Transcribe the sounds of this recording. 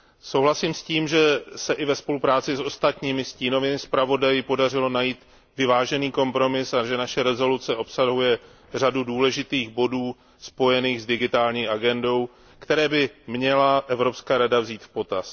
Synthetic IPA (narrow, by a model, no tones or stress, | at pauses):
so̞wɦlasiːmsciːmʒɛsɛʔɪvɛspo̞lupɾaːt͡sɪso̞st̪at̪ɲiːmɪsciːno̞vɪmɪspɾavo̞dajɪpo̞dar̝ɪlo̞najiːt̪ | vɪvaːʒɛniːko̞mpɾo̞mɪsaʒɛnaʃɛɾɛzo̞lut͡sɛʔo̞psaɦujɛ | r̝aduduːlɛʒɪt̪iːɣbo̞duː | spo̞jɛniːɣzdɪɡɪt̪aːlɲiːʔaɡɛndo̞w | kt̪ɛɾɛːbɪmɲɛlaʔɛvɾo̞pskaːɾadavziːt̪fpo̞t̪as